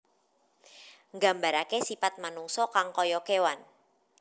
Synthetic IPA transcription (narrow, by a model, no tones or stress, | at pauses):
ŋɡa̤mbaɾakesipat̪̚manuŋsɔkaŋkɔjɔkewan